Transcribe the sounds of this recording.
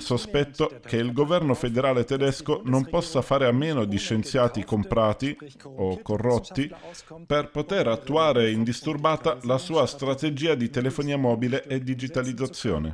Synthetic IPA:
sospɛt̪ːok̟eilɡovɛrnofed̪eɾaːlet̪ɛd̪ɛskonompɔsːafaːɾeamːeːnod̪iʃːent̪sjaːt̪ikompɾaːt̪i | okːorːɔt̪ːi | perpot̪eɾat̪ːuaːɾeind̪ist̪urbaːt̪alasuːast̪ɾat̪ed͡ʒiːad̪it̪elefoniːamɔːbileʔed̪id͡ʒit̪alid̪zːat̪sːjɔ̰ːnḛ

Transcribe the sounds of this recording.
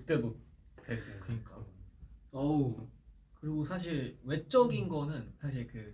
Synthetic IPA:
t͈edotwes͈ɯokɯɲik͈a | ʌ | kɯɾiɡosʰaɕ̬ʰiɭwe̞t͡ɕ͈ʌɡinɡʌnɯnsʰaɕ̬ʰiɭkɯ

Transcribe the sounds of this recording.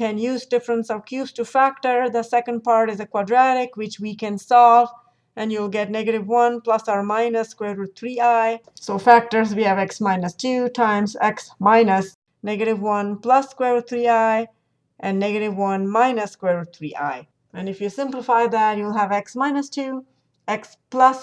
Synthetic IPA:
kɨ̃njuːzdɪfɾə̃nsɔvkʰjustufæk̚tə˞ðəsɛkə̃nd̚pɑɹɾɨzəkwadɹæɾɪkwɪt͡ʃwikɨ̃nsɔlv | ɨ̃njulˠɡɛtnɛɡəɾɪvwʌ̃nplʌsamãɪnəskwɛɾɔt̪ʰɹiaɪ | soʊfæk̚tə˞zwiɨvɛksmãɪnɨstʰʉtʰãɪ̃mzɛksmãɪnəs | nɛɡɨɾɪvwʌ̃nplʌsːkwɛɹt̪ʰɹiaɪ | ʔɨ̃nːɛɡɨɾɪvwʌ̃nmãɪnəskwɛɹɔt̪ʰɹiʔa̰ɪ | ɨ̃nɪfjusɪ̃mplɪfaɪd̪ætjulˠɦəvɛksmaɪnəstʰu | ɛks | plʌs

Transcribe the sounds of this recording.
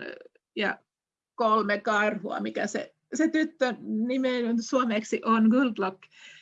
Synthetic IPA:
jɑ̰ | kolmekɑrhuɑ̰mikæsḛ | set̪yt̪ːønimeˑnynsuomeksiʔonɡuld̪lok

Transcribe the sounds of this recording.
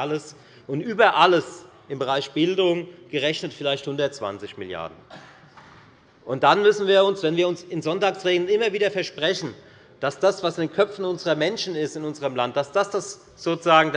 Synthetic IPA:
ləs | ʔʊntʔyːbɐʔaləs | ɪmbəʁaɪçb̥ɪldʊŋɡ̥əʁɛçnətfɪlaɪçthʊndɐtt͡sv̥a̰nt͡sɪçmɪ̰lja̰ɐdn̩ | ʔʊnt̚d̥anmʏsn̩viːɐʊnsv̥ɛnviːɐʊnsɪnzɔntaːksʁeːɡl̩nɪmɐviːdɐfɛɐʃpʁ̥ɛçn̩ | d̥asd̥asv̥asɪndeːnkʰœfn̩ʊnzəʁɐmɛnʃn̩ɪstɪnʊnzəʁəmlant̚d̥asd̥asd̥as | z̥oːt͡suzaːɡŋ̩d

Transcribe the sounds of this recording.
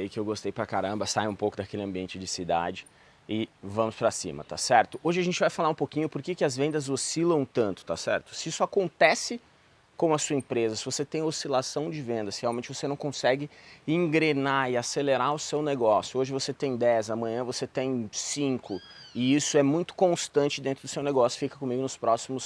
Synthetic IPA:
ijkɪewɡost̪ejpɾɐkaɾɐ̃mbɐsajũpowkʊd̪ɐkelɪɐ̃mbiẽnt͡ʃɪd͡ʒɪsid̪a̰d͡ʒɪ | ɪvɐ̃mʊspɾɐsḭ̃mɐ̰t̪a̰sɛɾt̪ʊʔoʒɪɐʒẽnt͡ʃɪvajfalaũpokĩɲʊpoɾkekɪɐzvẽnd̪ɐzosilɐ̃w̃t̪ɐ̃nt̪ʊ̥t̪a̰sɛ̰ɾt̪ʊ̥sɪisʊakõnt̪ɛsɪ | kõmɐsuɐẽpɾezɐsɪvoset̪ẽj̃osilasɐ̃w̃d͡ʒɪvẽnd̪ɐsɪheawmẽnt͡ʃɪvosenɐ̃w̃kõsɛɡɪĩŋɡɾenaɪaseleɾaʊsewneɡɔsjʊoʒɪvoset̪ẽj̃d̪ɛzɐmɐ̃ɲɐ̃voset̪ẽj̃sĩŋkʊ | ɪisʊɛmũj̃t̪ʊ̥kõst̪ɐ̃nt͡ʃɪd̪ẽnt̪ɾʊd̪ʊsewneɡɔsjʊ̥fikɐkõmiɡʊnʊspɾɔsimʊs

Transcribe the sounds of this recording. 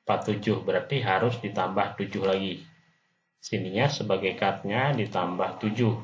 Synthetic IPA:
pat̪ːud͡ʒʊhbəɾart̪iɦaɾʊsdit̪ambaht̪ud͡ʒʊhlaɡi | siniɲasəbaɡajkat̪̚ɲadit̪ambaht̪ud͡ʒʊh

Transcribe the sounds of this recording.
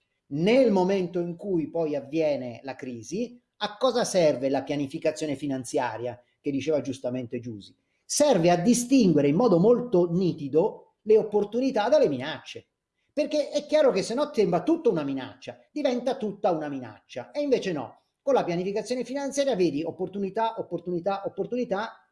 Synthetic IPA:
nelmoment̪oiŋkujpɔjavːjɛːnelakɾiːzi | akːɔːzasɛrvelapjanifikat̪sːjoːnefinant̪sja̰ːɾja | k̟ed̪ːit͡ʃeːvad͡ʒust̪ament̪ed͡ʒuːzi | sɛrvead̪ːist̪iŋɡweɾeimːɔːd̪omolt̪oniːt̪id̪o | leopːort̪unit̪ad̪elːeminat͡ʃːe | perkeʔɛkːjaːɾokesːenːɔt̪ːɛmbɾat̪ut̪ːounamina̰t͡ʃːad̪ivɛnt̪at̪ut̪ːaunamina̰t͡ʃːa̰eiɱveːt͡ʃenɔ̰ | konlapjanifikat̪sːjoːnefinant̪sjaːɾjaveːd̪iopːort̪unit̪aʔopːort̪unit̪aʔopːort̪unit̪a

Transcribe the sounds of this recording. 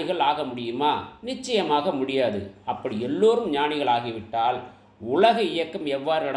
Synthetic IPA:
ɪɣɐɭaːɣɐmʊɽɪjɯmaːnɪt͡ʃːɐjɐmaːɣɐmʊɽɪjaːðɯ̰ɐpːɐɽiɛlːoːɾɯmɲaːnɪɣɐɭaːɣɪʋɪʈːaːl | ʊɭɐɣɐɪjɐkːɐmɛʋːaːɾɯɐ

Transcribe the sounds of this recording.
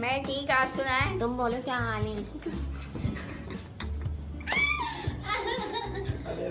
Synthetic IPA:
mɛ̃ːʈʰiːkaːɾt͡ʃʊkãːt̪ʊmboːlokjãːaːlẽː

